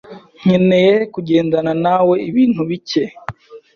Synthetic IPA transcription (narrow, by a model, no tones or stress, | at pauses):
ɲ̥enejekuɟe̞ːndananawe̞iβiːn̥huβice